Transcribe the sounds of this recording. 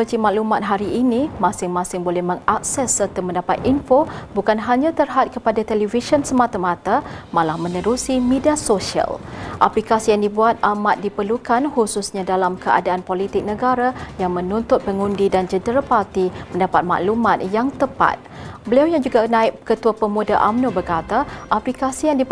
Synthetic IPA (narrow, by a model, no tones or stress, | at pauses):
əd͡ʒimãʔlumat̪̚ɦaɾiʔːnĩmãsɪŋmãsɪŋbolɛhmə̃ŋak̚sɛsːərt̪əmə̃ndapat̪̚infobukanɦaɲãt̪ərɦat̪̚kəpadat̪ɛliviʃənsəmãt̪amãt̪amãlahmə̃nəɾusimidiasoʃia̰lʔaplikasijaŋdibuat̪̚amat̪̚dipərlukanhususɲãdalamkəa̰daanpolit̪ɪk̚nəɡaɾajaŋmə̃nunt̪ʊt̪̚pəŋundidand͡ʒədəɾapart̪imə̃ndapat̪̚mã̰ʔlumãt̪̚jaŋt̪əpa̰t̪̚bəliawjaŋd͡ʒuɡanãɪp̚kət̪uapəmudaʔamnobərkat̪aʔaplikasijaŋdi